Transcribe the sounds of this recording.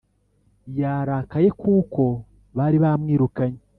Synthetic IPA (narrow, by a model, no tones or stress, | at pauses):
jaːɾaːkaje̞kuːko̞ | βaɾiβamŋiːɾukaɲe